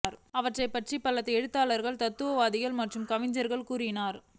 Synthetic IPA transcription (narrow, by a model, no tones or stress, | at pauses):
ɾɐʋɐʈrɐɪpːɐʈripːɐlɐt̪ːɯɛɻɯt̪ːaːlɐɾɣɐɭt̪ɐt̪ːɯʋɐʋaːðɪɣɐɭmɐʈrɯmkɐʋɪɲd͡ʒɐɾɣɐɭkuːrɪnaːɾ